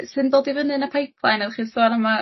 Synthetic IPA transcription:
sɨndoːdivənɨnapʰejp̚ʰlˠajnaðχiːsoanəma

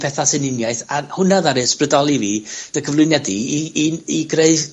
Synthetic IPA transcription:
pʰɛθasɨnɪnjaɨθahʊnaðaɾɨsprədɔlˠiviːd̥əkʰəvlˠʊɨnjɛdiiiɡreɨð

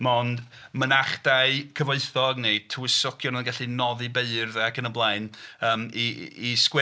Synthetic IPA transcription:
mɔndmənaχd̥aɨkʰəvoɨθɔɡnetʰəwɪsɔkʰjɔnɔənɡaɬinɔðibeɨrðɛakʰənəblˠaɨnəːmiːskwɛ

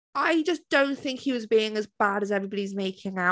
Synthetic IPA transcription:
ʔaɪd͡ʒʌsd̥õʊ̃nθɪ̃ŋkhiwɒzbiɪ̃ŋəzbaɾəzɛvɹibɑɾizmeɪkʰɪ̃ŋa

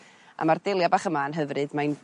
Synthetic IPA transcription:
ʔa̰mardelˠjabaːχəmanɦəvrɨdmaɨn

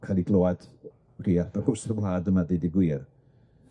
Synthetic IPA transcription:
kʰalˠiɡlˠoːad̥ | riːarbaχʊsrəwlaːdəmadediɡwɪːr

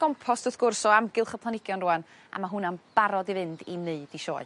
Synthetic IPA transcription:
ɡ̥ɔmpʰɔsd̥ʊθɡ̥ʊrsɔamɡɪlˠχəpʰlˠanɪɡ̥jɔnruan | a̰maɦunamb̥aɾɔdivɨndinɨɨd̥iʃɔ̰ːɨ

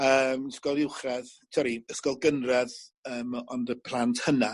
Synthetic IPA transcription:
əːmskɔlˠɪwχrɛðtʰɔɾiəskɔlˠɡənrɛðəːmɔndəpʰl̥ˠantʰhəna

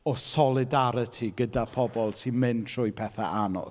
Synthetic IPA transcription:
ɔsɔlˠɪdaɾətʰiɡədapʰɔbɔlˠsinmɨntʰr̥ʊɨjpʰɛθa̰ʔanɔ̰ð

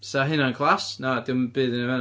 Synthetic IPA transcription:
saɦɪnankʰlˠasnadɪwmb̥ɨːðənəvɛn

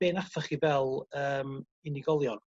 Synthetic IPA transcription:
beːnafaχivɛlˠəːm | inɪɡɔlˠjɔn

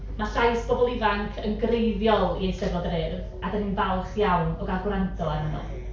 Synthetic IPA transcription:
maɬajsb̥ɔbɔlˠɪvaŋkʰənɡrejðjɔlˠiejsɛvɔdrɪð | adaninvalχjawnɔɡaɡwrantʰɔɛnəmɔ̰ð

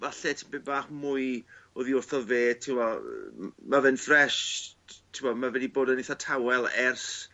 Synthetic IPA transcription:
vaɬɛtʰɪmbebaːχmʊɨoðiɔrθɔveːtʰɪwɔ | mavɨnfrɛʃtʰɪwmɔmavɛdiboːdəniθatʰawɛlˠɛrs

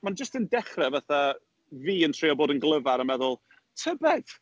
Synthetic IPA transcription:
mand͡ʒəstəndɛχrɛvaθa | viːəntʰr̥iːɔboːdənɡlˠəvaɾəmɛðʊlˠ | tʰəbɛð̥

